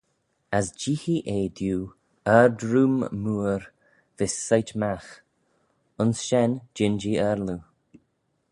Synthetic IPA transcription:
asd͡ʒiːxiʔeːd̪juː | ɛɾdɾumːuːɾ | v̥ɪsːajt͡ʃmax | ʊnsʃɛnd͡ʒɪnd͡ʒiɛɾlu

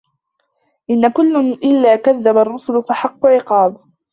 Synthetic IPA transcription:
ʔɪnːakʊlːʊnʔɪlːaːkaðːabarˤːʊsʊlʊfaħɑqːʊʕɪqɑːd

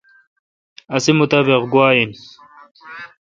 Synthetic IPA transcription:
ɐsimut̪abeqɡwaːjin

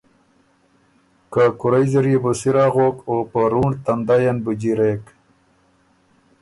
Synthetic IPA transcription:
kakuɾajziɾjibusiɾaɣokopəɾuɳt̪and̪ajanbud͡ʑiɾek

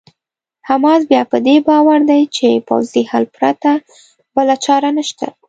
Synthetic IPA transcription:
hamɑzbjɑpəd̪ebɑwaɾd̪ajt͡ʃepa̰wzihalpɾat̪a | bəlat͡ʃɑɾanaʃt̪a̰

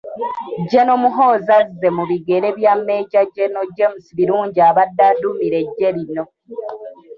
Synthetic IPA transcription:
ɟeno̞muɦo̞ːzazːe̞muβiɡe̞ɾe̞βjamːe̞ːɟaɟeno̞ɟemusiβiɾuːɲɟiaβadːadumiɾe̞ɟːe̞ɾino̞

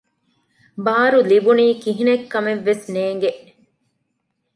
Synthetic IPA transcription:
baːɾulibuniːkiɦinekːɐmeʋːesneːŋɡeʔ

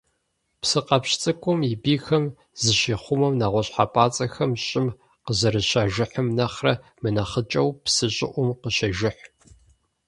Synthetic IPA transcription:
psɨqɐpɕt͡sʼɨkʷʼʊmibiːxɐm | zɨʃiːχʷʊmɐmnaʁʷɔɕħapʼaːt͡sʼɐxɐmɕʼɪm | qəzɐɾɨɕaːʒɪħəmnɐχrɐmɨnɐχət͡ʃʼɐwpsɨɕʼɪʔʷʊmqəɕɐʒɪħʷ

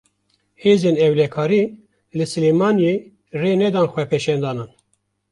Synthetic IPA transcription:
heːzeːnɛwlɛkʰɑːɾiː | lɨsɨlemɑːnje | reːnɛd̪ɑːnxʷɛpʰɛʃɛnd̪ɑːnɨn

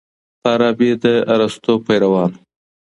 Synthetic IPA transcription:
ɑɾɑːbed̪əaɾast̪opajɾawɑːn

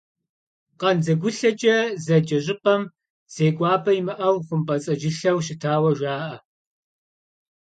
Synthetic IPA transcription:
qɐnd͡zɐɡʷʊɬɐd͡ʒʼɐzɐd͡ʒɐʑɪpʼɐm | z̥eːɡʷʼɑːbʰɐimɨʔɐwχʷʊmpʼɐt͡sʼɐʒɪɬɐwɕ̬ɪtʰaːwɐʒʷaːʔɐ

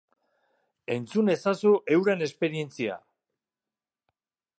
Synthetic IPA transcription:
e̞nt͡sune̞sasuʔe̞wɾene̞spe̞ɾie̞nt͡sia̰

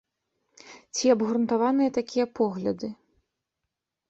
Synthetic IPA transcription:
t͡sʲiɐbɣɾunt̪avanɨjɐt̪akʲijɐpɔɣlʲɐd̪ɨ

